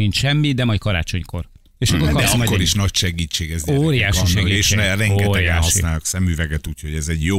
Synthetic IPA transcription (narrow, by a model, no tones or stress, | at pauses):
int͡ʃʃɛmːid̪ɛmɒjckɒɾa̰ːt͡ʃo̞ɲko̞̰r | eːʃɒkkoɾkɒɒkːoɾiʃnɒcʃɛɡiːt͡ʃːeːɡɛzoːɾijaːʃiʃɛɡieʃnɛɾɛŋɡɛt̪ɛɡaːssnaːlɔksɛmːyːvɛɡɛt̪uːcho̞ɟɛzɛɟjo